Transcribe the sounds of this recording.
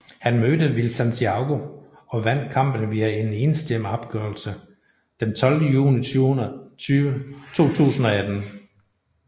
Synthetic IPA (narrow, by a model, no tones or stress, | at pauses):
hænmødəʋilsænt͡sʰiɑ̈ɡ̥o̝ | ɒ̽ʋæn̰d̥̚kʰɑ̈m̰b̥ənʋiæe̝ne̝nəsd̥əjemɑb̥̚ɡ̥œːɐlsə | d̥ent͡sʰɒ̽ld̥əjṵːniyyt͡sʰo̝̰ːt͡sʰṵːsn̩ɒ̽æd̥n̩